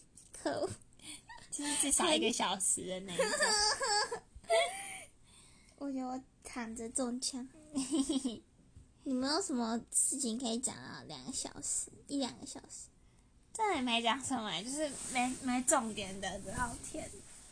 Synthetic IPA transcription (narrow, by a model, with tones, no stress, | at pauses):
kʰo˥˩ | t͡ɕo˥˧ʂɻ̩˥˧ʈ͡ʂɻ̩˥˩ʂɑ˨˥˩ʊi˧˥ɡə˧ɕjɑ˨˩ʊʂɻ̩˧˥˦d̪ə˨na˥˩ | wʔɔ˨jo˧˩˧ | k̪ʰa˨˩nd͡zə˧˦t͡so˥˧ŋt͡ɕʰjɑ˥ŋ | ni˨˩me˧˥ɪjo˨˩ʊʂə˧˥nmə˧ʂɻ̩˥˩t͡ɕʰi˨˩nkʰə˧˥i˧˩t͡ɕjɑ̰˨˩ŋə̰˦ljɑ̰˨˩ŋɡə˦ɕjɑ̰˨˩ʊʂ̩˧˦i˥˩ljɑ̰˨˩ŋɡə˦ɕjɑ˨˩ʊʂ̩˧˥˦ | ʈ͡ʂa˥na˨˩ma˧˥ɪt͡ɕjɑ˨˩ŋʂə˥˩ŋma˨˧˦t͡ɕjo˥˧ʊʂɻ̩˥˩ma˧˥ɪma˧˥ɪʈ͡ʂʊ˥˩ŋt̪jɛ˨˩nd̪ə˨tə˧t̪ɑ˥˧ʊt̪ʰjɛ˥˧˨n